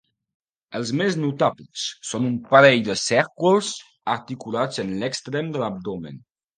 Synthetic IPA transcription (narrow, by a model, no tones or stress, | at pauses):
əlˠzmeznut̪abləssonumpəɾɛʎd̪əsɛɾkulˠz | əɾt̪ikulad͡zənləkst̪ɾɛmd̪ələb̚d̪ɔmə̰n